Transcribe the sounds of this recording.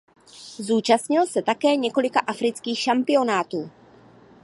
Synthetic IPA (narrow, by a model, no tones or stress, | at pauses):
zuːt͡ʃast̪ɲɪlsɛt̪akɛːɲɛko̞lɪkaʔafɾɪt͡skiːxʃampɪo̞naːt̪uː